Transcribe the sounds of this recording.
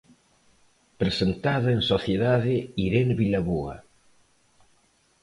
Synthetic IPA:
pɾesent̪aðɐeŋsoθjeðaðɪiɾenβilaβua̰

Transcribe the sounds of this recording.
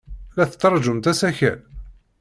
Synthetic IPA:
læθət͡s̪ːɑɾˤd͡ʒʊmt̪æsæçæ̰l

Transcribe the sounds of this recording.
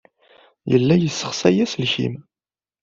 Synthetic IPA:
jə̰lːæjəsːə̥χsæjæsəlçḭm

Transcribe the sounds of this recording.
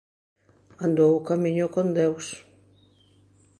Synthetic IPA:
ãnd̪owʊkamĩɲʊkond̪ews

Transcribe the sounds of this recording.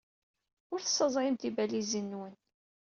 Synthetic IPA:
ʊɾθə̥sːəzˤɾɪmt̪ibælizənːwən

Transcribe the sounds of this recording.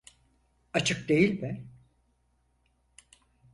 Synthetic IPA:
at͡ʃʰɯk̚d̪e̞jilʲbæn

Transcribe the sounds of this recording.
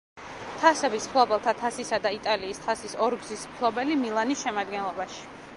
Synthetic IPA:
t̪ʰasɛbismpʰlˠɔbɛlˠt̪ʰat̪ʰasisad̪ait̪ʼaliːst̪ʰasisɔɾɡzismpʰlˠɔbɛlimilˠanisʃɛmad̪ɡɛnlˠɔbaʃi̥

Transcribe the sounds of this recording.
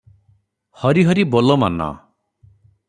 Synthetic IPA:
hɔɾiɦʌɾibolɔma̰na̰

